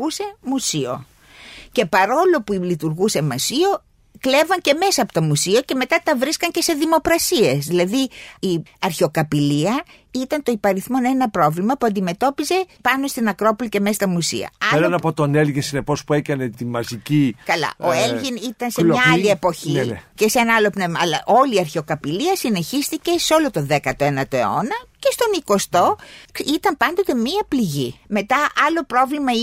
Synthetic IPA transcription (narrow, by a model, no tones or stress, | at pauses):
use̞musio̞̰ | ce̞pɐɾo̞lo̞pulit̪uɾɣuse̞mɐsio̞ | kle̞vɐɲce̞me̞sɐːpot̪o̞musio̞ce̞me̞t̪ɐt̪ɐvɾiskɐɲce̞se̞ðimo̞kɾɐsie̞sðilɐðiiɐɾçeo̞kɐpiliɐ | it̪ɐnt̪o̞ipɐɾiθmo̞ne̞nɐpɾo̞vlimɐpuɐnd̪ime̞t̪o̞pize̞pɐno̞st̪inɐkɾo̞police̞mest̪ɐmusḭɐ̰ɐenɐpot̪o̞nelʝinsine̞po̞spue̞kɐne̞t̪imɐzicikɐlɐ̰ʔoelʝinit̪ɐnseɐɐlie̞poçiece̞seenɐɐlo̞pnevmɐɐlɐʔo̞liɐɾçeo̞kɐpiliɐsine̞çist̪ice̞so̞lo̞t̪o̞ðe̞kɐt̪oenɐt̪o̞e̞o̞nɐce̞st̪o̞niko̞st̪o̞it̪ɐmpɐnd̪o̞t̪e̞miɐpliʝime̞t̪ɐʔɐlo̞pɾo̞vlimɐ